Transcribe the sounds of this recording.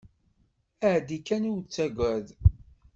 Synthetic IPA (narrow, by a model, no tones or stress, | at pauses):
æʕd̪ikːænuwt͡sːæɡʷæð